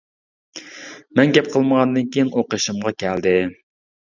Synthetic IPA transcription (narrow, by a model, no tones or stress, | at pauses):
mɛnɡʲɛp̚qʰəlˠməʁɑnd̪ɨnkʲʰijinʔoqəʃɨmʁɑkʲʰɛld̪ɪ